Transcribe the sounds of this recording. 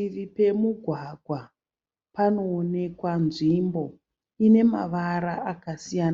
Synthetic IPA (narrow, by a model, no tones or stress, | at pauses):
iʋipe̞muɡʱwaɡʱwa | pano̞ːne̞kwanʐimbo̞ | ine̞ma̰ʋaɾaakasijana